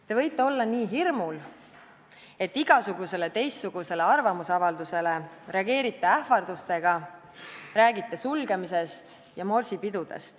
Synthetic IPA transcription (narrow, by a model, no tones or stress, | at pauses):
t̪e̞vɤ̞jt̪ːˑe̞o̞lːɑniːɦirmul | e̞t̪ːiɡ̥ɑsuɡ̥use̞le̞t̪e̞jst̪ːuɡ̥use̞le̞ɑrvɑmusɑvɑld̪use̞le̞reɑɡe̞ːɾit̪ːˑeæhfɑrd̪̥ust̪e̞ɡ̥ɑ | ræːɡit̪ːˑesulɡ̥emise̞st̪ | jɑmo̞rsipid̪ud̪̥ḛst̪